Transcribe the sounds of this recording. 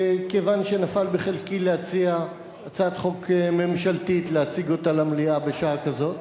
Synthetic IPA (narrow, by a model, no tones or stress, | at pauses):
kevanʃenafalbeχelkileat͡siaː | t͡sat̪χo̞kme̞mʃaltitleat͡siɡo̞talamliabe̞ʃaakazo̞t